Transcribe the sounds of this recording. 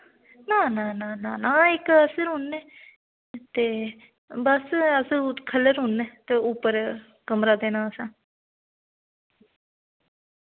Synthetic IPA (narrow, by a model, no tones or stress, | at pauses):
nãːnãːnãːnãːnãːɪkəsəɾɦʊnːɛ̃ː | t̪eː | bəsəsəkʰəlːəɾɦʊnːɛ̃ːt̪eːʊpːəɾ | kəmɾaːd̪eːnãːəsãː